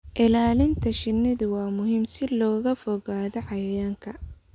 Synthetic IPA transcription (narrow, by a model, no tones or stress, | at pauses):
ʔɪlaːlɪnt̪ʰɐʃɪnːɪðʊwɑːmʊɦiːmsɪlɔːɣɐfɔɣaːðɔʕɑjjaːŋkʰɐ